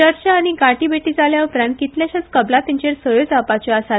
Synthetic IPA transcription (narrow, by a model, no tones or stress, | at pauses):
əɾt͡ɕəːñiɡaʈibeʈiːd͡zaljaupɾãn̚kit̪ljaɕat͡skəblat̪ĩɲt͡ɕeɾsəjod͡zapat͡ɕɔasa